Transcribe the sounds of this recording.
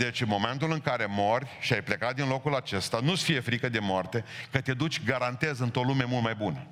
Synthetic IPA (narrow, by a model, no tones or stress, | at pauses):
d̪e̞t͡ʃnmo̞me̞nt̪ulɨŋkaɾe̞mo̞rʲʃiajplekat̪̚d̪inlo̞kulat͡ʃe̞st̪anusə̥fije̞fɾikəd̪e̞moart̪e̞kət̪e̞d̪ut͡ʃʲɡaɾant̪e̞zɨnt̪olume̞mult̪majbunə